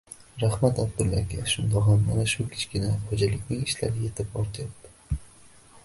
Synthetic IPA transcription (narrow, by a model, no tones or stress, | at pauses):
ɾahmat̪ab̚d̪ʊlakʲʰaʃʊnd̪ɒamːanaʃʊkʲʰɪ̥t͡ʃkʲɪnahod͡ʒalɪkʲnɪŋɪʃlaɾje̞t̪ʰɪpɒɾt̪ʰajap̚t̪ɪ̥